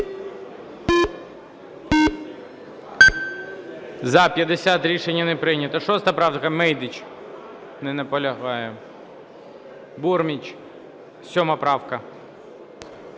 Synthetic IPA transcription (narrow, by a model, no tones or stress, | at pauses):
zɐpʲjɐd̪esʲat̪ɾʲiʃenʲːɐnɛpɾɪjnʲɐt̪ɐʃɔst̪ɐpɾɑw̪kɐmɛjd̪ɪt͡ʃ | nɛnɛpɔlʲɐɦɑjɛ | burmʲit͡ʃ | sʲɔmɐpɾɑwkɐ